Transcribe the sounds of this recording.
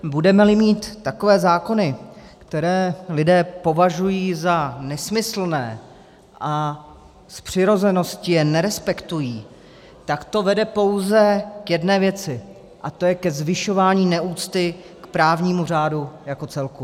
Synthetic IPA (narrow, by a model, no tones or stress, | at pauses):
budɛmɛlɪmiːt̪ːako̞vɛːzaːko̞nɪkt̪ɛɾɛːlɪdɛːpo̞vaʒujiːzanɛsmɪsl̩nɛː | ʔa | spr̝̥ɪɾo̞zɛno̞scɪjɛnɛɾɛspɛkt̪ujiː | t̪akt̪o̞vɛdɛpo̞wzɛkjɛdnɛːvjɛt͡sɪ | ʔat̪o̞jɛkɛzvɪʃo̞vaːɲiːnɛʔuːt͡st̪ɪ | kpɾaːvɲiːmur̝aːdujako̞t͡sɛlku